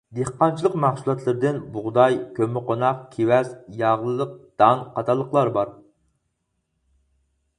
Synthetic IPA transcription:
d̪ehqɑnt͡ʃʰilˠəqmæχsulˠɑt̪ʰlˠɨɾɪd̪ɪnbʊʁd̪ɑjkʲømɪqʰonɑqkʲʰewɛzjɑʁlˠɨlˠəq̚d̪̥ɑnqʰɑt̪ʰɑlˠːəqlˠɑɾbɑɾ

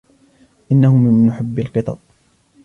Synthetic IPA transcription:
ʔɪnːahʊmɪnːʊħabːalqɨt̪ˤɑ̰t̪̚ˤ

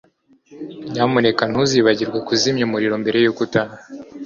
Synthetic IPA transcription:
ɲamune̞kan̥huziβaɟiɾɡwakuzimɲomuɾiɾo̞mbe̞ɾe̞jukuta

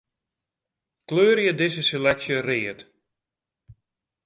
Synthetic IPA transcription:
kløːɾjədɪsəselɛksjərɪət

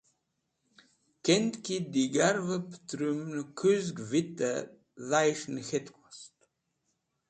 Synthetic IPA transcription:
kent̪kʰid̪iɡaɾvəpt̪ɾymnkʰuzɡvit̪ə̰ | ðajʃnxet̪kʰast̪

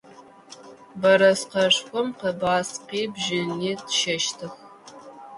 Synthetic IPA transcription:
bɐɾɐsqɐʂxʷɔmqɐbaːsqiːbʒɪniːdʃɐʃtʰɨx

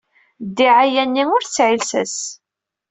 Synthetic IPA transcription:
d̪ːiʕajænːiʊɾθt͡sːʕilsæ̰s

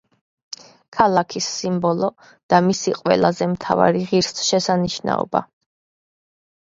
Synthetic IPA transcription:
kʰalˠakʰisːimbɔlˠɔ | d̪̥amisiqʼwɛ̰lˠazɛmt̪ʰava̰ɾiʁiɾsʃɛsaniʃna̰ɔ̰ba̰

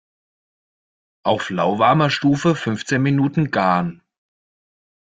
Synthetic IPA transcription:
ʔaʊflaʊvaɐmɐʃtuːfəfʏnft͡seːnminuːtn̩ɡaɐn

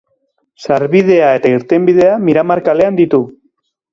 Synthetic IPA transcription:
saɾβið̞e̞ae̞t̪aiɾt̪embiðe̞amiɾamaɾkale̞and̪it̪u

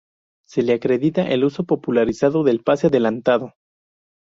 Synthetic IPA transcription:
se̞le̞akɾe̞ðit̪aʔeluso̞po̞pulaɾisaðoðe̞lpaseaðe̞lant̪aðo̞

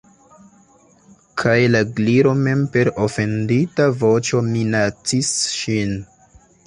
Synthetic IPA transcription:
kʰajlaɡliɾome̞mpe̞ɾo̞fe̞nditavo̞t͡ʃo̞minat͡sisʃin

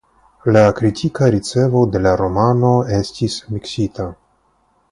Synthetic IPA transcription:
lakɾitʰikaɾit͡se̞vo̞de̞laɾo̞mano̞e̞stismiksita

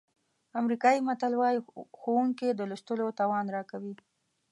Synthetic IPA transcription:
amɾikɑimat̪alwɑjixowuŋked̪əlʊʃt̪əlot̪ɑwɑnɾɑkawi

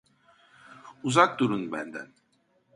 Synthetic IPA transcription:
uzak̚d̪uɾunbænd̪æ̰n

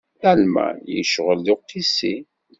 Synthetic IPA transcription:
ælmæ̰jə̰ʃʁəlːɪqːisi

